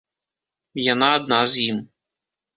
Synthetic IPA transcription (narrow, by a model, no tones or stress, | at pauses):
janaːd̪̚nazjim